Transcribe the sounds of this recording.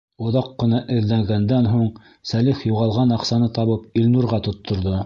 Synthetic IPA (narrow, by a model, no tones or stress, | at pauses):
ŏðɑqːɤ̆nɑʔɘ̆ðlæŋɡænd̪ænɦuɴ | sæliχjuʁɑlˠʁɑnɑqsɑnɤt̪ɑβɤp̚ilnuɾʁɑt̪ŏt̪ʰːŏɾðo